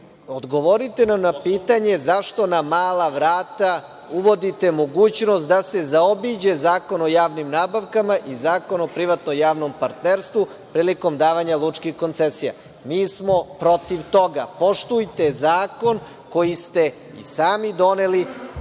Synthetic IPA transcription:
od̪ɡo̞ʋoɾit̪e̞namnapiːt̪aɲe̞zaʃt̪o̞namaːlaʋɾaːt̪a | uʋo̞d̪it̪e̞mo̞ɡuːt͡ɕnost̪d̪ase̞zaobid͡ʑe̞zaːko̞no̞jaːʋnimnaːbaʋkamaʔizaːko̞nopɾiʋat̪nojaːʋno̞mpaɾt̪neɾst̪ʋu | pɾiːliko̞md̪aːʋaɲalˠut͡ʃkixko̞nt̪sesija̰ | miːsmo̞pɾo̞t̪iʋt̪o̞ɡapo̞ʃt̪ujt̪e̞zaːko̞n | ko̞jist̪e̞ | ḭsaːmid̪o̞neli

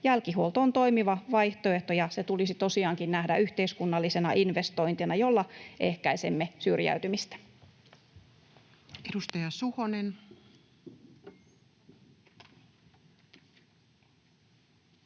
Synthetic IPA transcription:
jælkiɦuolt̪oont̪o̞imiʋɑʋɑiht̪oeht̪ojɑset̪ulisit̪o̞siɑːŋkinnæhdæyht̪eiskunːɑlːisenɑʔinʋest̪o̞int̪inɑjo̞lːɑʔḛhkæisemːesyrjæ̰yt̪ymist̪æ̥ | edust̪ɑjɑsuhonen

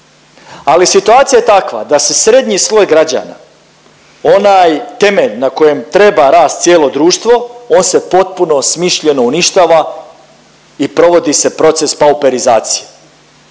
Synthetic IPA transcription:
alisit̪uaːt̪sijajet̪akʋa̰d̪ase̞sɾe̞d̪ɲislˠo̞jɡɾad͡ʑa̰na̰ | onajt̪e̞me̞ʎnako̞je̞mt̪ɾe̞baɾaːst̪sjeːlo̞d̪ɾuːʃt̪ʋo̞o̞ːnse̞po̞t̪̚puno̞smiʃʎe̞no̞uniʃt̪aːʋa | ipɾo̞ʋo̞d̪ise̞pɾo̞t̪se̞spaupe̞ɾizaːt̪sije̥

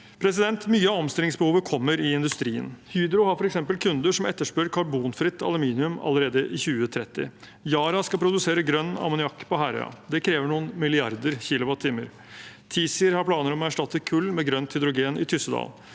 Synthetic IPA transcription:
pʰɾɛsɪd̪ɛnt̪myːəɑɔmst̪ɪlɪŋsbəhuːʋəkʰɔmːəɾɪɪnd̪ʉst̪ɾiːə̰nhyːd̪ɾʊhɑɾfɔɾɛksɛmpəlkʰʉnd̪əʂɔmɛt̪ːəʂpøːɾkʰɑbuːnfɾɪt̪ːɑ̰lʉmiːnɪʉmɑ̰ləɾeːd̪əʔɪçʉːət̪ʰɾɛt̪ːɪ̰ | jɑːɾɑskɑpʰɾʊd̪ʉseːɾəɡɾœnːɑ̰mʊnɪɑkːpʰɔɦæɾə̰ɑ̰d̪ɛkʰɾeːʋəɳuːənmɪlɪɑɾd̪əɾçɪːlʊʋɑt̪ʰːiːməɾ | t̪ʰiːsɪɾhɑɾpʰlɑːnəɾɔmɔæʂʈɑt̪ːəkʰʉlːmɛɡɾœnt̪hʏd̪ɾʊɡeːnʔɪ̰t̪ʰʏsəd̪ɑ̰ːl

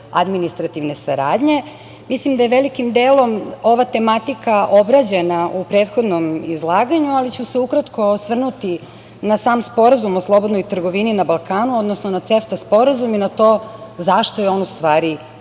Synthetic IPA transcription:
a̰d̪minist̪ɾat̪iʋne̞saɾaːd̪ɲe̞ | mislimd̪ajeʋelikimd̪eːlo̞mo̞ʋat̪e̞mat̪ikaʔo̞bɾad͡ʑe̞naʔupɾe̞ːt̪xo̞d̪no̞mizlˠaːɡaɲualit͡ɕuse̞ukɾat̪ko̞sʋr̩nut̪i | nasaːmspo̞ɾazumo̞slˠo̞bod̪nojt̪r̩ɡo̞ʋininabalˠkaːnuo̞d̪nosnonat̪se̞ft̪aspo̞ɾazuminat̪o̞ːzaʃt̪ojeo̞nust̪ʋaːɾi

